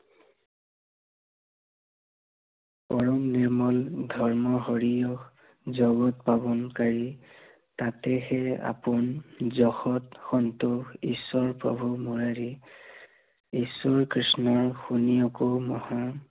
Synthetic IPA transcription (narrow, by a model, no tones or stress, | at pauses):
pɔɹɔmniɹmɔldʱɔɹmɔɦɔɹijɔx | zɔɡɔtbabɔnkaɹi | tatɛxɛa̰pʊnzɔxɔtxɔntʊxisːɔɹpɹɔ̰bʱumuɹaɹi | isɔɹkɹisnɔɹxunijɔkɔmɔha